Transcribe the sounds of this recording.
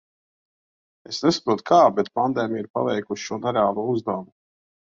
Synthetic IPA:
esnesḁpɾuɔt̪u̥kʰaːbet̪̚pand̪ɛːmʲijiɾpa̰vɛjkuʃʃuɔnɛɾeaːlˠuɔuzd̪awmu

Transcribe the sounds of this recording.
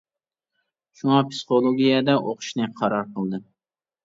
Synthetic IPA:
ʃuŋɑpʰsɨ̥χolˠoɡʲijɛd̪ɛʔoqʰʊ̥ʃnɨqʰɑɾɑɾqʰəlˠd̪ɨ

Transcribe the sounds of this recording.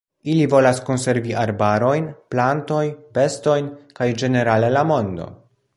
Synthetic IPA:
ilivo̞lasko̞nse̞ɾviʔaɾbaɾo̞jnplanto̞jpe̞sto̞jnkajd͡ʒe̞ne̞ɾale̞lamo̞ndo̞̰

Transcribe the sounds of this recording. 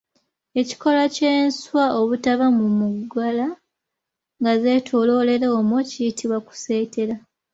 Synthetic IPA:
e̞ci̥ko̞laceːnswaʔoβutaβamumuɡala | ŋɡaze̞ːtʰo̞lo̞le̞ɾeomwocijitiβwaku̥se̞ːte̞ɾa

